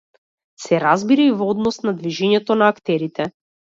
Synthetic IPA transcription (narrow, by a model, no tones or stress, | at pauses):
sɛɾazbiɾaivɔd̪nɔsnad̪viʒɛɲɛt̪ɔnaːkt̪ɛɾit̪ɛ